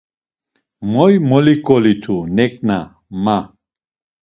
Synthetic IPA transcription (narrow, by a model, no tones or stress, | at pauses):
mɔjmɔlikʼɔlit̪ʰunɛkʼna | ma